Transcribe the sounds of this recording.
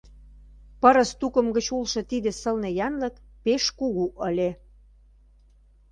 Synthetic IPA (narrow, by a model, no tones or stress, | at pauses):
pɤɾə̆st̪ukə̆mɡət͡ɕulʃɤ̆t̪id̪ĕsə̆lnejɑnlɤ̆kpeʃkuɣuʔə̆lʲe